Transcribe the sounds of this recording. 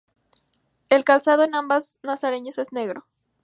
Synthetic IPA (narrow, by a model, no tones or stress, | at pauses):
e̞lkalsað̞o̞enãmbaznasaɾe̞ɲose̞zne̞ɣɾo̞